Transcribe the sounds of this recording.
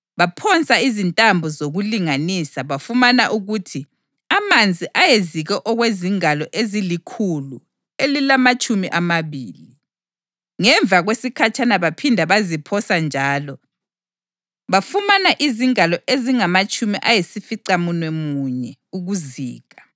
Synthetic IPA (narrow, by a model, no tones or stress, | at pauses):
βapʰɔnt͡sʼaizintʼambʱɔzoɣuliŋanisaβafumanaʔuɣutʰi | amand͡zʱiʔajeziɣɛʔɔɣweziŋalɔʔezilikʰulu | elilamat͡ʃʼumiʔamaβiːli | ŋɛɱvaɣwesikʰat͡ʃʰʼanaβapʰindʱaβazipʰɔsand͡ʒʱaːlɔ | βafumanaʔiziŋalɔʔeziŋamat͡ʃʼumiʔajesifiǀamunwɛmuɲɛuɣuziːɣa